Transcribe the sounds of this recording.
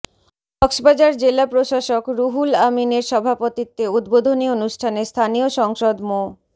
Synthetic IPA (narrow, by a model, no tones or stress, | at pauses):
ɔkʃbad͡ʑaɾd͡ʑelapɾoʃaʃokɾuɦulamineɾʃɔbʱapot̪it̪ːeud̪bod̪ʱonionuʃʈʰanest̪ʰanioʃɔŋʃod̪mo